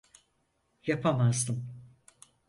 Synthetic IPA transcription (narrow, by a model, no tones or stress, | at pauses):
japʰamazd̪ɯm